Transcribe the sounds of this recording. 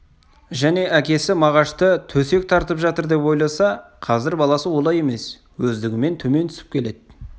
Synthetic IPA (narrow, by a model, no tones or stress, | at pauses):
ʒæne̞ʔækʲe̞sɪmɑʁɑʃt̪ət̪ʰɵse̞k̚t̪ʰɑɾt̪əpʒɑt̪əɾd̪e̞pwo̞jlˠɑsɑ | qʰɑzɪɾbɑlˠɑsəwo̞lˠɑje̞me̞s | wɵzd̪ɪɡʲɪme̞nt̪ʰɵme̞nt̪ʰʏ̥sɪp̚kʲʰe̞le̞d̪ɪ